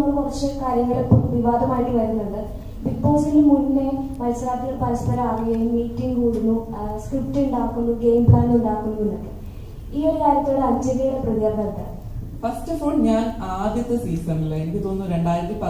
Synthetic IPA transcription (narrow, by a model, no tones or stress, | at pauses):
rɐmɐrɐt͡ɕːekaːɾjɐŋːɐɭopːomʋiʋaːd̪ʱɐmaːjiʈːiʋɐɾunːɐɳɖɨ | bipːoːsilmunnːemɐlsɐlaːt̪ːiɣɐɭpɐɾɐspɐɾɐmaːʋɐjɐjumiːʈːiŋɡkuːɽunːu | skripʈːɨuɳɖaːkːunːuɡejmblaːnduɳɖaːkːunːuunːokːḛ | iːokaːɾjɐt̪ːiloɽɨɐt͡ɕɐlijɐɽeprɨðijɐrnɐt̪ːa̰ː | fɐstɐpo̞ːɳɲaːnaːd̪jɐt̪ːɐsiːsɐnilːɐenikʲːit̪o̞nːɨɾe̞ɳɖaːjiɾɐt̪ːipɐ